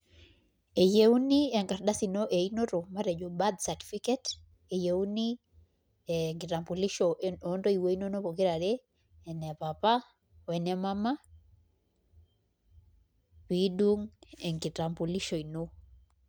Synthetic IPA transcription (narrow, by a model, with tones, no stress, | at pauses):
e˨je˦wniɛ˨ŋka˨ɾda˦si˨no˦ʔe˨i˦no˦ɾo˨ma˦ɾɛ˨d͡ʒo˨ba˦d̪sa˨ti̥˨fi˦kɛ˦t | e˨je˨wu˦ni˦ | eŋɡi˨ta˨mpo˨li˦ʃo˨ʔeno˦ndo˦i˨wo˦i˦no˦no˦po˨ki˦ɾa˨ɾe˦ | ɛnɛ˨pa˨pa˦ | wɛnɛ˦ma˦ma˦ | pi˦du˦ŋɛ˨ŋɡi˨ta˨mpo˨li˦ʃo˨i˨no˦